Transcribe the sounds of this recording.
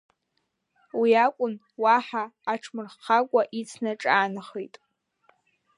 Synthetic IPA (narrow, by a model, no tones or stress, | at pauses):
wiakʷʼʊn | waħaːʈ͡ʂʰmɨrχqakʷʼaʔit͡sʰnaʈ͡ʂʼaːnɨχejtʼ